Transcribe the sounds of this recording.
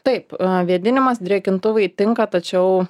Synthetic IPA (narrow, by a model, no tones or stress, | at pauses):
t̪ɐɪpʋʲiɛd̪ʲɪnʲɪmɐsd̪ʲɾʲiɛkʲɪnt̪ʊʋɐɪt̪ʲɪŋkɐt̪ɐt͡ʃʲɛʊ